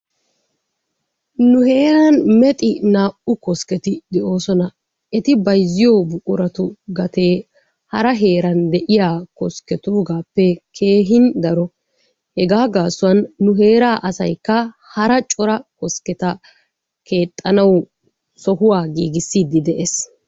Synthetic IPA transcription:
nʊhe̞ːɾɐnmɛt̪ʼɪnaːʔʊkɔskɛt̪ɪd̪ɛʔo̞ːsɔnɐ | ʔɛt̪ɪbɐjzːɪjoːbʊkʼʊɾɐt̪ʊɡɐt̪e̞ː | hɐɾɐɦe̞ːɾɐnd̪ɛʔɪjaːkɔskɛt̪uːɡaːpːɛkʰe̞ːɦɪnd̪ɐɾɔ | hɛɡaːɡaːsʊwɐnːʊɦe̞ːɾaːʔɐsɐ̰jkːɐ | hɐɾɐt͡ʃʼɔɾɐkɔskɛt̪ɐ | kʰe̞ːt̪ʼːɐnɐw | sɔhʊwaːɡiːɡɪsːiːd̪ɪd̪ɛʔes

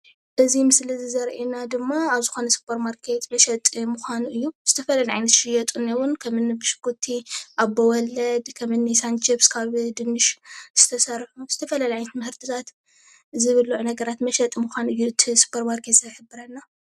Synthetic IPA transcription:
ʔɨzimɨslizɨzɐɾʔinad̪ɨmːaaβzɨxo̞nɐsɨ̥pʰːɐɾmaɾkʰet̪mɐʃɐt̪ʼmuxʷanuʔɨjːuz̥ɨt̪ʰɐfɐlajɐʕa̰jnɐt̪ʃɪjɐt̪ʼunewʊnkʰɐmɨnːibɨʃɨ̥kːut̪ʰiʔabːɐwɔlːɐd̪kʰɐmɨnːisant͡ʃɪbskʰaβd̪ɨnːɨʃz̥ɨt̪ʰɐsɐɾħuz̥ɨt̪ʰɐfɐlajʕajnɐt̪mɐhɨɾt̪ʰɨt̪ʰat̪ | zɨβɨlːuʕunɐɡɐɾat̪mɐʃɐt̪ʼmuxʷanuɨjːuɨt̪ʰisɨ̥pʰːɐɾmaɾkʰet̪sɐjħɨbːɨɾɐnːa

